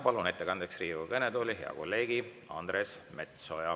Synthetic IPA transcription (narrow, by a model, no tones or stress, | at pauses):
pɑlune̞t̪ːe̞kɑnd̪̥e̞ksriːvukɤned̪oːlʲiɦe̞̰ɑ̰ko̞̰lːe̞ːɡi | ɑnd̪resme̞t̪so̞jɑ